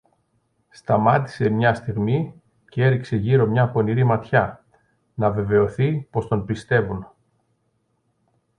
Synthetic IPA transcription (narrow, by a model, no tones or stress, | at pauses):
st̪ɐmɐt̪i̥se̞mɲɐst̪iɣmi | cee̞ɾikse̞ʝiɾo̞mɲɐpo̞niɾimɐt̪çɐ | nɐve̞ve̞o̞θipo̞st̪o̞npist̪e̞vun